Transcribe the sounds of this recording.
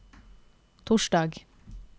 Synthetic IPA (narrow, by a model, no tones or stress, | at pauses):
t̪ʰʊʃɖɑːɡ